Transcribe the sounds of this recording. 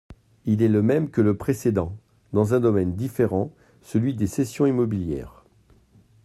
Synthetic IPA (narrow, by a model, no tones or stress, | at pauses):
ilɛləmɛmkələpχesed̪ɑ̃ | d̪ɑ̃zɛ̃d̪ɔmɛnd̪ifeʁɑ̃ | səlɥid̪esesjɔ̃imɔbiljɛ̰ːʁ